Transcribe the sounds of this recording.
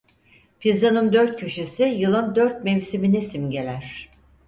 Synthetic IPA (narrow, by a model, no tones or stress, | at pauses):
pʰizanɯmd̪øɾt̪̚cʰyʃysijɯlˠɯmd̪øɾt̪̚mevsiminisimɟe̞lʲæɾ̝̥